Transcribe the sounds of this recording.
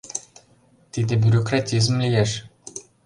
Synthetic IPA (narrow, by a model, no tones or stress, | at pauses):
t̪id̪ebʲyɾokɾat̪ʲiz̬mlijeʃ